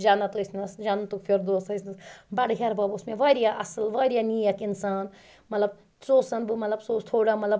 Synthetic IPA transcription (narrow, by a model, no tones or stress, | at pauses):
d͡ʒaːnɐt̪uisnɐsd͡ʒannt̪ukpʰiɾd̪oːst̪ɐsnɐsbɐɽɦʲeɾbɐbusmẽʋɐːɾjaʔɐsɨlʋɐɾjanijɐkinsaːn | mɐt̪lɐb̚ | soːsɐnbɨmɐt̪lɐbsoːst̪ʰoːɽamɐt̪lɐb